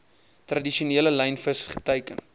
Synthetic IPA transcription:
trɐdiʃiuniələlɛjnfəsχə̥təjkən

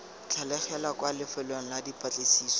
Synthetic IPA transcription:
t͡ɬʰalɛχɛlakwalɪfɛleŋ̩ladipʰʼat͡ɬʼesiːsɔ̥

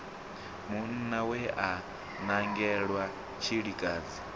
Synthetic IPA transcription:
mun̩nawɛʔa | naŋɡɛɺwa | t͡ʃʰiɺikʼaːd͡zi

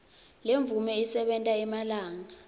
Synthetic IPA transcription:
leɱb̪vumɛisɛɓɛntʼaimalaːŋa

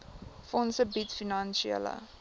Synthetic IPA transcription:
fɔnsəbitfinɑnʃiə̰lə̰

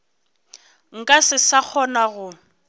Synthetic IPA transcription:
ŋ̩kʼasɪsak͡xʰɔnaɣʊ

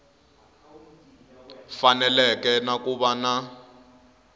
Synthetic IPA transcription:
fanɛlɛkɛnakuɓana

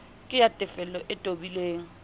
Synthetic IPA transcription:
kʼɪjatʼɪfɛlɔʔɪtʼobileːŋ̩

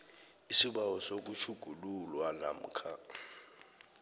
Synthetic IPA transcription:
isiɓawɔsok̬ut͡ʃʰuɡ̥ʱululwana̰m̩kʰa

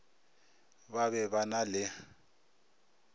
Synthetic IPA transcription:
βaβɛβanalɪ

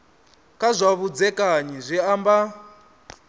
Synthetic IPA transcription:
kʼazʷaβud͡zɛkʼaɲizʷiamba

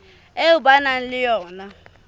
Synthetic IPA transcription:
eubanan̩lɪjɔːna

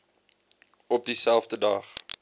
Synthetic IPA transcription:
ɔp̚disælˠfdədɐχ

